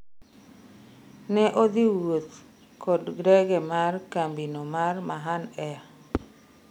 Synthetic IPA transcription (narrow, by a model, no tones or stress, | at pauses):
nɛʔod̪iwot̪ | kʰɔdɡɾɛɡɛmarkambinomarmaɦanɛa